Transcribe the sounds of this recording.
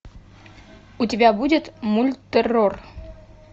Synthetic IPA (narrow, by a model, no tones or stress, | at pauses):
utʲɪbʲabudʲɪt̪mulʲt̪ʲːəror